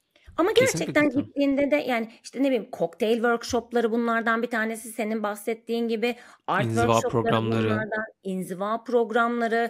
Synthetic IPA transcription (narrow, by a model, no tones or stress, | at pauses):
amaɟæɾt͡ʃʰɛc̚t̪ænɟit̪ʰːiːnd̪ɛd̪ɛjʔaːnɪiʃt̪ʰɛne̞bilʲimkʰo̞kt̪ʰejlʲvø̞ɾkʃo̞plˠaɾɯbunlˠaɾd̪anbit̪ʰaːne̞sise̞ninbasɛt̪ːiːnɟibɪaɾt̪vøɾvaoɾˠaɾamualˠaɾd̪aninzivapɾo̞ɡɾamlˠaɾɯ